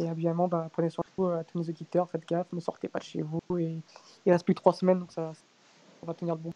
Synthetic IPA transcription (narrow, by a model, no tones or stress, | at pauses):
eabiamɑ̃bapχəneswɛ̃tuøat̪unozod̪it̪œʁfɛt̪̚ɡafməsɔ̰ʁt̪epad̪əʃḛvueiʁɛst̪plyd̪ət̪χwasmɛnd̪ɔ̃ksas | ɔ̃vat̪əniʁləbɔ̃